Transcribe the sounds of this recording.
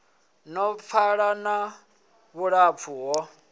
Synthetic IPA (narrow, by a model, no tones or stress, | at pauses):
nɔp̪fʰaɺana | βuɺapfʰuɦɔ